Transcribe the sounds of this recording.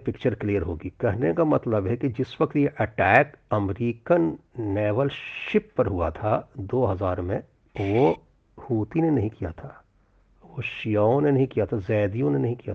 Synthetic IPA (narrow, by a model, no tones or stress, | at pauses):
pɪkt͡ʃəɾklijəɾɦoːɡikɐɦnekamɐt̪ləbɦɛkid͡ʒɪswɐkt̪jeʔɐʈɛːkɐmɾiːkənːɛːʋəlʃɪpːɐɾɦʊa̰t̪ʰad̪oːɦɐzaːɾmẽ | ʋo | huːt̪inenɐɦĩkija̰t̪ʰaː | ʋoʃijaːõnenɐɦĩkijat̪ʰazɛːd̪ijõnenɐɦĩkija̰